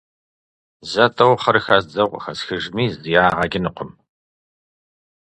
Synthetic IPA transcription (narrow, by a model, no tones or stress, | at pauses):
zɐtʼɐwχɐɾxɐzd͡zɐʁʷxɐsxɨʒmiːzɨjaːʁɐɡʲɪnɨqʷʰʊm